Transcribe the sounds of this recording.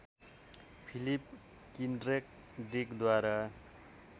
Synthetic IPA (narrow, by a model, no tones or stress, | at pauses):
pʰilip̚ | kinɖrek̚ | ɖikd̪waɾa